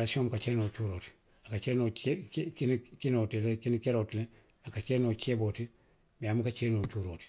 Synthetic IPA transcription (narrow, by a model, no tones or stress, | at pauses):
ɾasiomkat͡ʃeːnot͡ʃuːɾoːti̥ | akat͡ʃenokinkinotilekinikeɾotile | akat͡ʃenot͡ʃeboːti | miamukat͡ʃenot͡ʃuɾoːti̥